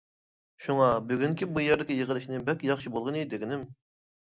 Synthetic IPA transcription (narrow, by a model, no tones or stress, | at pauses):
ʃuŋɑbyɡʲyŋkʲibujæɾd̪ɪkʲijəʁəlˠɨʃnɨbɛkʲjɑχʃibolˠʁənɨd̪eɡʲɪnɪm